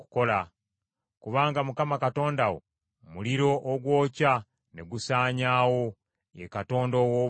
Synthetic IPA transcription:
ku̥ko̞la | kuβaːŋɡamukamakato̞ːndawo̰ | muliɾo̞ʔoɡwo̞ːca | ne̞ɡusaːɲaːwo̞ | ḛkato̞ːndo̞wo

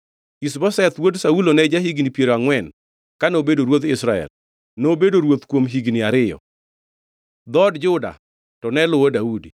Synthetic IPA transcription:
isbɔsɛt̪wodsaulonɛd͡ʒaɦiɡnipjeɾoaŋwɛn | kanobedoɾwot̪ɪsɾaɛ̰l | nobedoɾwot̪kwomɦiɡnɪaɾɪjɔ̰ | d̪ɔdd͡ʒʊda̰ | tɔnɛlʊɔdaudi

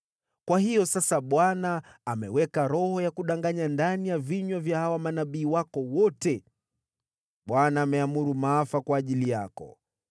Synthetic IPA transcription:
kwahijɔsasaɓwanaːmɛ̰wɛkaɾɔhɔjakuɗaŋɡaɲandanijaviɲwavjahawamanaɓiːwakɔwɔtɛ | ɓwanaːmɛamuɾumaːfakwaːʄilijakɔ̰

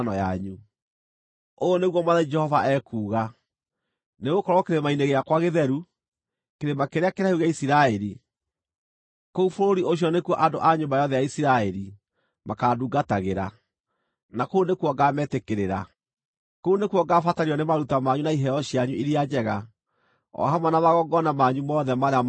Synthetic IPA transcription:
nɔjaɲu | ooneɣwɔmaðaid͡ʒɛhɔvaʔɛːkuːɣa | neɣokɔɾwɔkeɾemaineɣeakwaɣeðɛɾu | keɾemakeɾeakeɾaheuɣeaisiɾaɛɾi | koufoɾoɾiʔoɕ̬iɔnekwɔʔandoʔaɲombajɔðɛjaisiɾaɛɾi | makaːduːɡataɣeɾa̰ | nakounekwɔɡaːmɛtekeɾeɾa | kounekuɔɡaːfataɾiɔnemaɾutamaɲunaiɦɛjɔɕiaɲuiɾiad͡ʒɛɣa | ɔ̰ɦamanaβaɣɔɡɔnamaɲumɔðɛmaɾea

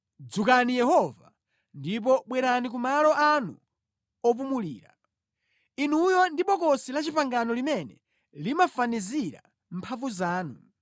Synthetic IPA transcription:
d͡zukanijɛɦɔva̰ | ndip̬ɔɓwɛɾanik̬umalɔʔanṵ | ɔp̬umuliːɾa | inujɔndiɓɔkɔsilat͡ʃipaŋɡanɔlimɛnɛ | limafaniziɾa̰ | m̩pʰavuzaːnu

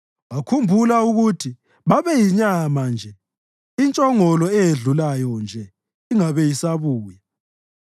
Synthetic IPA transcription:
wakʰumbʱulauɣutʰi | βaβɛjiɲamand͡ʒʱɛ | int͡ʃʼɔŋɔlɔɛjeɮulajɔnd͡ʒʱɛ | iŋaβɛjisaβuːja

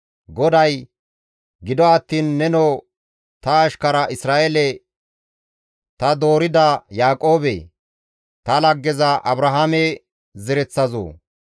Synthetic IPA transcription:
ɡɔd̪ɐj | ɡɪd̪ɔɐt̪ːiːnːɛnoː | t̪ɐːʃkɐɾɐʔɪsɾaːʔelɛ | t̪ɐd̪o̞ːɾɪd̪ɐjaːkʼo̞ːbḛ | t̪ɐlɐɡːɛzɐʔɐbɾɐɦaːmɛ | zɛɾɛt͡sːɐzo̰ː

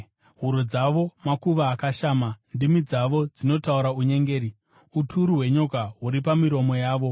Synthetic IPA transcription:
ɦuɾod͡zaʋo̞makuʋaːkaʃaːmandimid͡zaʋo̞d͡zino̞tauɾauɲe̞ŋɡe̞ːɾi | utʰuɾuɦwe̞ɲokaɦuɾipamiɾo̞mo̞jaːʋo̞

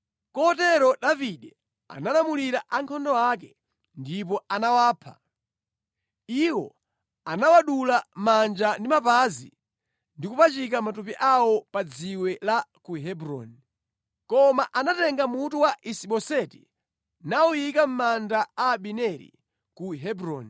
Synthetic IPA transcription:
kɔtɛɾɔɗaviɗɛ | a̰nalamuliɾaʔaŋkʰɔndɔwak̬ɛ | ndip̬ɔanawaːpʰa̰ | iwɔ | anawaɗulamand͡ʒandimapazḭ | ndikupat͡ʃikamatupiʔawɔpad͡ziwɛlakuɦɛbɾɔ̰ni | kɔmaʔanatɛŋɡamutuwaʔisiɓɔsɛti | naujikam̩mandaaɓinɛɾḭ | kuɦɛbɾɔni

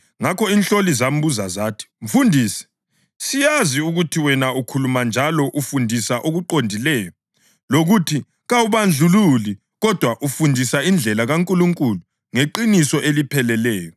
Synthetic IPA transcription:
ŋakʰɔinɬolizam̩buzazaːtʰi̥ɱ̩fundʱiːsɛ̥ | sijaziuɣutʰiwɛnaukʰulumand͡ʒʱalɔʔufundʱisaʔoɣuǃondʱilɛːjɔ | loɣutʰi | ɣawuβand͡ɮʱululi | ɣɔd̥ʱwaʔufundʱisaind͡ɮʱɛlaɣaŋkʼuluŋkʼulu | ŋeǃinisɔʔelipʰɛlɛlɛːjɔ

